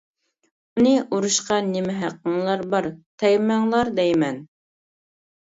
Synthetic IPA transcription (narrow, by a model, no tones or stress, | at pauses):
unɨʔuɾuʃqɑnɪmɪɦæqːəɴlˠɑɾbɑɾt̪ʰɛjmæŋlˠɑɾd̪ɛjmɛn